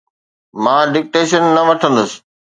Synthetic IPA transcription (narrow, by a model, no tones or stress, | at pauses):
mãːɖɪk̚ʈeːʃənːɐʋɐʈʰə̃nd̪ʊsɪ̥̆